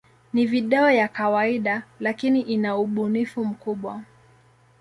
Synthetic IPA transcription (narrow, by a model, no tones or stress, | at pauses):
niviɗaɔjakawaiɗalakiniʔinauɓunifum̩kuɓwa